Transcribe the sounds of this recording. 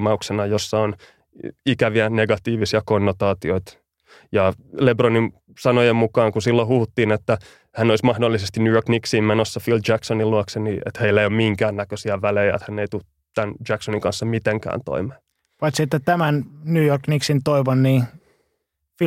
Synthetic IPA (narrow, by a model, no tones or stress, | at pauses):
mɑuksenɑjosːɑon | ikæʋiæneɡɑt̪iːʋisiɑkonːot̪ɑːt̪ioit̪ | jɑlebronin | sɑnojemmukɑːŋkusilːohuhut̪ːiːnet̪ːæ | hænoismɑhdolːisest̪inujorkniksiːmmenosːɑfild͡ʒæksoniluɑkseniḛt̪heilːæeijommiŋkæːnnækøsiæʋælejæḛt̪hænːeit̪u | t̪ænd͡ʒæksoniŋkɑnsːɑmit̪eŋkæ̰ːnt̪o̰imeː | pɑit̪sit̪ːet̪æmænnuːjorkniksint̪oiʋonːiː | f